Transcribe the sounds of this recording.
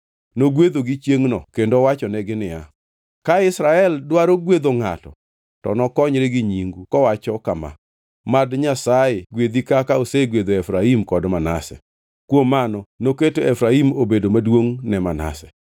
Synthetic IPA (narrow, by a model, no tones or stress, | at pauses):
noɡwed̪oɡɪt͡ʃjeŋnɔkendowat͡ʃɔnɛɡɪnɪja | kaɪsɾaɛldwaɾoɡwed̪oŋa̰tɔ̰ | tɔ̰nɔkɔɲɾeɡɪɲiŋɡukɔwat͡ʃɔkama̰ | madɲasaɪɡwed̪ikakaoseɡwed̪oɛfɾaimkɔdmana̰sɛ̰ | kwomːanɔnoketoɛfɾaimobedomadwoŋnɛmana̰sɛ̥